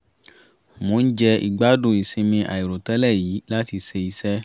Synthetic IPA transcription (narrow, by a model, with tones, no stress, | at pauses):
mo˨˦n̩˦d͡ʒɛ˧ḭ˨ɡ͡ba˦dũ˦˨i˨sĩ˧mĩ˧ʔa̰˨i˨ɾo˨tɛ˦lɛ˦˨jiː˨˦la˦ti˧se˧i˧sɛ˦